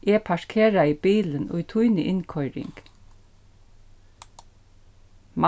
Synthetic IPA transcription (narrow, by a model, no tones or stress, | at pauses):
eːpʰɑʃkʰeːɾɑiːbiːlənʔo̰ːiːt̪ʰʉʏnəʔɪnkʰɔʏɾɪ̰ŋɡ̥ | mɑ